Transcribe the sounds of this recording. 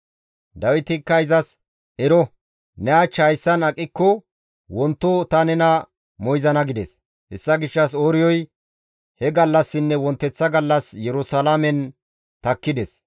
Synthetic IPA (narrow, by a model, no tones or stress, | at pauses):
d̪ɐwɪt̪ɪkːɐjzɐs | ɛɾɔ | nɛat͡ʃːɐjsːɐnɐkʼːɪkːɔ | wɔnt̪ːɔt̪ɐnɛnɐ | mɔjzɐnɐɡɪd̪ɛs | hɛ̰sːɐɡɪʃːɐsoːɾɪjɔj | hɛɡɐlːɐsːɪnːɛwɔnt̪ːɛt͡sːɐɡɐlːɐsjɛɾʊsɐlamɛn | t̪ɐkːɪd̪ɛs